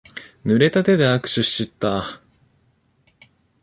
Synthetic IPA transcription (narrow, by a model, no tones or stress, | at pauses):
nɯ̟ɾe̞t̪at̪e̞d̪e̞akɯ̟̥ɕɨɕɨt̪ːa